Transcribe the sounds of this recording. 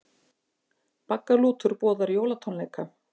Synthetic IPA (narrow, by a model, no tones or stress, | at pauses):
pakːaluːt̪ʏɾpɔːðaɾjoːwlat̪ʰɔnleːjka